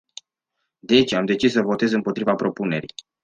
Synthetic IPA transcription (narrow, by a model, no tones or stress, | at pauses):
d̪e̞t͡ʃamd̪e̞t͡ʃisːəvo̞t̪e̞zɨmpot̪ɾivapɾo̞pune̞ɾḭj